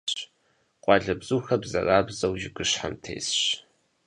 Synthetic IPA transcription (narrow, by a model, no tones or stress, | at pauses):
ɕ | qʷʼɑːɮɐbzuːxɐbzɐ̰raːbzɐwʒɪɡʷʊɕħa̰mtʰḛːsɕ